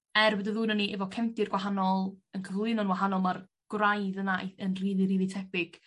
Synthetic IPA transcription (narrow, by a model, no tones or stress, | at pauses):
ɛrbədəðuːnəniʔɛvɔkʰɛmdɪrɡ̥waɦanɔlˠənkʰəvlˠɨnɔnwaɦanɔlˠmar | ɡ̥wrajðənaeənriːðˠiɾiːðitʰɛpɪɡ̥